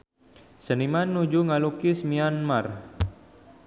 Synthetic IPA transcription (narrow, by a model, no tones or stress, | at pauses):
sənimanːud͡ʒuŋalukismianmar